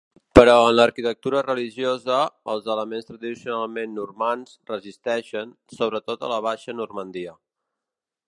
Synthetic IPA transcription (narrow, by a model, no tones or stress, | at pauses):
pəɾɔənləɾkit̪ək̚t̪uɾərəliʒiozəəlˠzələmenst̪ɾəðisiunalˠmenːurmansrəzist̪ɛʃən | soβɾət̪ot̪ə̰ləβ̞aʃənurmənd̪iə